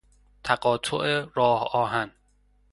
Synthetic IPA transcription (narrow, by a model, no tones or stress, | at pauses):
t̪ʰæɢɒːt̪ʰoʔeɾɒːhɒːɦæn